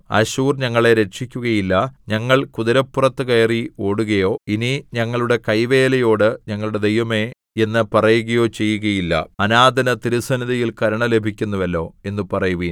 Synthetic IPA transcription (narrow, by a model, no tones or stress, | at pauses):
ɐ̰ɕuːrɲɐŋːɐɭe̞ɾe̞ʈʂikʲːuɣɐjilːɐɲɐŋːɐɭkuðɐɾɐpːurɐt̪ːɨkejːrio̞ːɽuɣɐjo̞ːiniɲɐŋːɐɭuɽe̞kɐjʋe̞ːlɐjo̞ːɽɨɲɐŋːɐɭuɽe̞d̪e̞jʋɐme̞ | e̞nːɨpɐrɐjuɣɐjo̞ːt͡ɕe̞jːuɣɐjilːɐ̰ɐnaːd̪ʱɐnɐt̪iɾusɐniðɐjilkɐɾɐɳɐle̞bʱikʲːunːɐʋɐlːo̞ːe̞nːɨpɐrɐjuʋi